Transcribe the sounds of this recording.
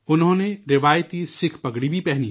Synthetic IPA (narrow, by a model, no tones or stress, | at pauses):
ʊnɦõːneɾɪʋaːjət̪isɪkʰpɐɡɽibʱipɛɦni